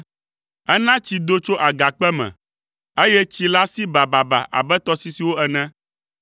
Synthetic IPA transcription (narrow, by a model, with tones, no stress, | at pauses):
ɛ˦nã˦t͡ɕi˨d̪o˦t͡ʃo˦ʔa˨ɡa˨k͡pɛ˦mɛ̰̃˨ | e˦jɛ˦t͡ɕi˦la˦si˦ba˨ba˨ba̰˨ʔa̰˨bɛ˦t̪ɔ˦si˦si˨wo˦ɛ˨nɛ̃˦